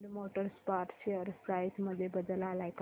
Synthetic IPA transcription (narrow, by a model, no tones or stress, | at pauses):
lmoʈəɾspaʈseəɾsajsməd̪ʱːjebəd̪əlalajk